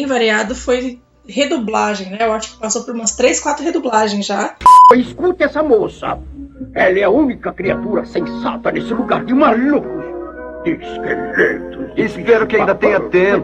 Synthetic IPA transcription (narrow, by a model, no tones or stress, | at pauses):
ẽj̃vaɾiad̪ʊfoj | hed̪oblaʒẽj̃nɛewaʃʊ̥kɪ̥pasopoɾũmɐst̪ɾeskwat̪ɾʊhed̪oblaʒẽj̃zʒaɪskut̪ɪɛsɐmosɐ̰ | ɛlɛɐũnikɐkɾiat̪uɾɐsẽsa̰t̪ɐnesɪluɡaɾd̪ɪmalukɾʊsd̪ɪskḛlet̪ʊspɛɾʊkɪãd̪ɐt̪ẽɲɐt̪ẽp